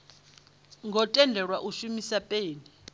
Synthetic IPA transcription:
ŋɡʱɔtʼɛndʱɛɺwaʔuʃumisapʼeːni

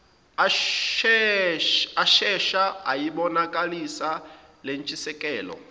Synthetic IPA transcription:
aʃɛʃaajiɓɔnakʼalisa | lent͡ʃʼisɛkʼɛːlɔ̰

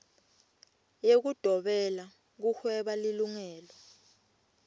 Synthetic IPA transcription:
jek̬ud̥ʱɔɓɛla | k̬uxwɛɓaliluŋɛːlɔ

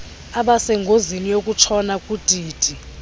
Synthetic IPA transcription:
aɓasɛŋɡʱozinijok̬ʼut͡ʃʰɔnakʼud̥ʼʱiːd̥ʱi

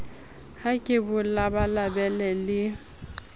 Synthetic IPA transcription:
hakʼɪbʊlabalabɛlɛlɪ

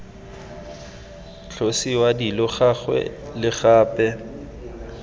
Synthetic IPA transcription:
ɬʰosiwadilɔχaχwɛ̰lɪχaːpʼɛ

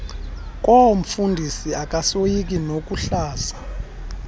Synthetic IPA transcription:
k̬ʼom̩fundʱisiak̬ʼasojik̬ʼinok̬ʼuɬaːzḁ

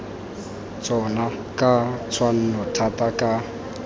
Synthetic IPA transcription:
t͡sʼɔna | kʼat͡sʰwan̩nɔtʰatʼakʼa

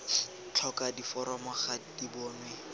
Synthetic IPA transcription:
t͡ɬʰɔkadifɔɾɔmɔχadibɔːmɪ

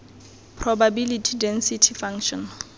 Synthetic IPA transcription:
pʰrɔbabilitʰidɛnsitʰifaŋʃɔ̃n

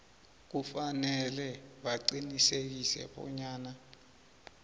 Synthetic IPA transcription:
k̬ufanɛlɛɓaǀinisek̬isɛ̰ɓɔ̰ɲaːna

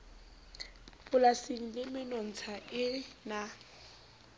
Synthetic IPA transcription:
pʊlasɪŋ̩lɪmɪnɔn̩t͡sʰaʔɪna

